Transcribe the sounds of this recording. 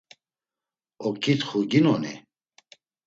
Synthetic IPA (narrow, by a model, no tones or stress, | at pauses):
ɔkʰʼit̪χuɡinɔni